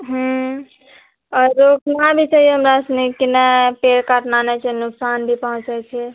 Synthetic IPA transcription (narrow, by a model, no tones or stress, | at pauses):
ɦũ | ɔɾoknãbʱit͡ʃaɦijeɦəmɾasnikinɛpeɾkaʈnanɛt͡ʃʰinʊksanbʱipəɦũt͡ʃat͡ʃʰɛ